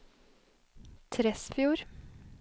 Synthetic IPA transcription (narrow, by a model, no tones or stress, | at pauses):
t̪ʰɾɛsfjuːɾ